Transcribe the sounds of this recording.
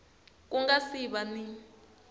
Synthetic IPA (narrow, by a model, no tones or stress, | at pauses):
k̬ʼuŋɡasiɓani